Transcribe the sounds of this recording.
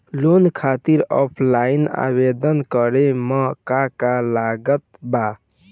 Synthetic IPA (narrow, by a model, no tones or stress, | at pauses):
lonkʰat̪iɾɔpʰlaina̰bed̪ənkəɾeməkakalaɡət̪ba